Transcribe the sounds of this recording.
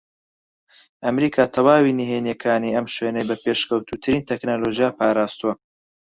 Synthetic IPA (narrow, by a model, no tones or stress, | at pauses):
ʔɐmɾiːkʰaːt̪ʰɐwaːwiniɦenjɛkʰaːniːɐmʃwenɐjbɐpeːʃkʰɐwt̪ʰuːt̪ʰɨɾiːnt̪ʰeknoloːʒijapaːɾaːst̪uwɐ